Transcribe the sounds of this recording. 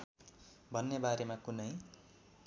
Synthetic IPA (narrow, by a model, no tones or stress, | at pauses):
bʱʌnːebaɾemakunʌj